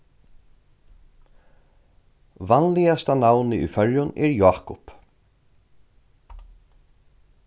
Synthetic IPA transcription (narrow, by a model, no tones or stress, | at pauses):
vanlijast̪anawnɪʔʏ̰fœɹjʊnɛɹjaːkʊp